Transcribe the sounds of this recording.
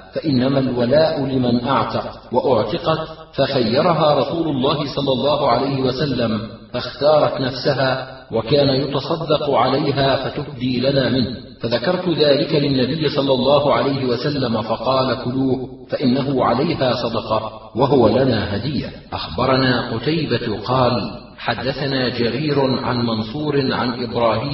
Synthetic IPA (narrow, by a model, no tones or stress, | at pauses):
faʔɪnːamalwalaːʔʊlɪmanʔaʕt̪ɑqwaʔʊʕt̪ɪqɑt̪ | faxajːɑɾˤɑɦaːɾˤɑsuːlʊlˤːɑːɦɪsˤɑlːɑlˤːɑːɦʊʕalajhɪwasalːam | faxt̪ɑːɾˤɑt̪nafsaɦaː | wakaːnajʊt̪ɑsˤɑd̪ːɑqʊʕalajɦaːfat̪ʊhd̪iːlanaːmɪnh | faðakɑɾˤt̪ʊðaːlɪkalɪnːabɪjːɪsˤɑlːɑlˤːɑːhʊʕalajɦɪwasalːamafɑqɑːlakʊluːh | faʔɪnːaɦʊʕalajɦaːsˤɑd̪ɑqɑ | waɦʊwalanaːɦad̪ɪjːa̰ | ʔaxbɑɾˤɑnaːqʊt̪ajbat̪qɑːl | ħad̪ːaθanaːd͡ʒaɾiːɾʊʕa̰nmɑnsˤuːɾɪʕa̰nʔɪbɾˤɑːhiːm